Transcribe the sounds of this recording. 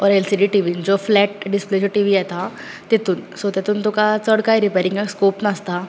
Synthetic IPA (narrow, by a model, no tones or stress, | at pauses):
ɔːɾɛlsiːɖiʈiːʋid͡ʒoːflɛːʈ̚ɖɪspled͡ʒəʈiːʋiɛt̪ʰa | t̪et̪ʊnsot̪et̪ʊnt̪ʊkat͡ʃəɽkaiɾɪpeːɾɪ̃ŋɡekskoːpnaːst̪ʰa